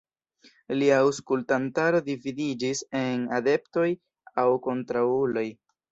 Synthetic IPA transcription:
liauskultantaɾo̞dividid͡ʒise̞nade̞pto̞j | awko̞ntɾaulo̞j

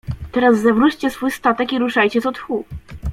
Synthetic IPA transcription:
t̪ɛɾazːɛvɾut͡ɕt͡ɕɛsfujst̪at̪ɛkiɾuʂajt͡ɕɛt̪ɔt̪xu

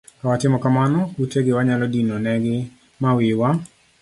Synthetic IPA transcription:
kawatɪmɔkamanɔuteɡɪwaɲalɔdinonɛɡɪ | mawɪwa

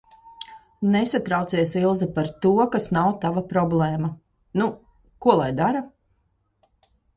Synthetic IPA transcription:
nesat̪ɾawt̪siɛsilˠzipaɾt̪uɔkasnawt̪avapɾɔblˠɛːma | nu | kuɔlˠajd̪aɾa

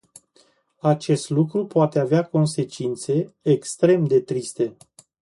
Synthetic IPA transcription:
at͡ʃe̞st̪lukɾupoat̪e̞aveako̞nse̞t͡ʃint̪se̞ːkst̪ɾe̞md̪e̞t̪ɾist̪e̞

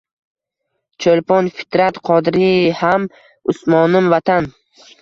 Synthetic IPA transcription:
t͡ʃʰolpɒnfɪ̥t̪ɾat̪qʰɒd̪ɾiham | ʊsmɒnɪmvat̪ʰan

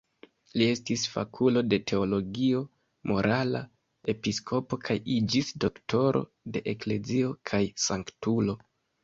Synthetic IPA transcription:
lie̞stisfa̰kʰulo̞de̞tʰe̞o̞lo̞ɡio̞ | mʔo̞ɾʔala̰ | e̞piskʰo̞po̞kʰajid͡ʒisdo̞kto̞ɾʔo̞̰ | de̞ʔekle̞zio̞kʰajsaŋktulo̞

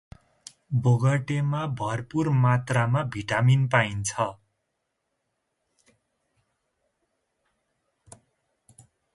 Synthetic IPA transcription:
boɡʌʈemabʱʌrpurmat̪ramabʱiʈaminpaint͡sʰʌ

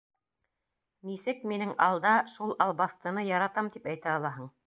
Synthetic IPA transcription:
nisɘk̚minɘŋɑ̰lˠd̪ɑʃulˠɑlˠbɑθt̪ɤ̆nɤjɑɾɑt̪ɑmt̪ipæjt̪æɑlˠɑɦɤɴ

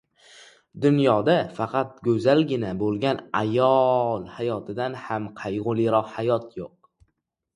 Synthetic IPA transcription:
d̪ʊnjɒd̪afɑqʰɑt̪̚ɡʲɵzalɡʲɪnabolˠɡʲanajɒlˠhajɒt̪ʰɪd̪anhamqʰɑjʁʊlˠiɾɒqhajɒt̪ʰjoq̚

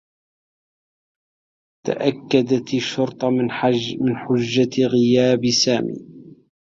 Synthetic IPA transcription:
t̪a̰ʔakːad̪at̪ʃːʊɾt̪ˤɑmɪnħʊd͡ʒːaɣɪjaːbsaːmḭː

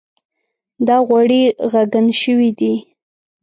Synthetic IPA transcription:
d̪ɑɣwaɽiɣaɡanʃəwid̪i

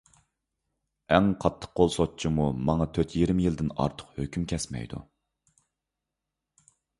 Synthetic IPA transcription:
ɛŋqʰɑt̪ʰːə̥qqolˠsot̚t͡ʃʰimumɑŋɑt̪ʰøɾt̪ʰjiɾmjild̪ɪnɑ̰ɾt̪ʰə̥qhøkʲymkʲʰɛsmɛ̰jd̪ṵ

